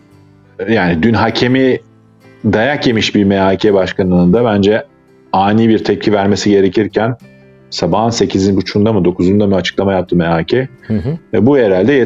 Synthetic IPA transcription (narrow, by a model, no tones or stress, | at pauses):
jaːnid̪ynɦacʰe̞mi | d̪ajakje̞miʃbiɾmɛaːcʰɛbaʃkʰanɯɯnd̪abænd͡ʒɛ | aːniːbiɾt̪ʰɛp̚cʰivæɾme̞siɟe̞ɾe̞cʰiɾcʰæn | sabaɦɯnse̞cʰizinbut͡ʃʰund̪amɯd̪o̞kʰuzund̪amɯat͡ʃʰɯ̥klˠamajap̚t̪ʰɯmɛɦaːcʰɛ | ɛbujeɾalʲd̪ɛje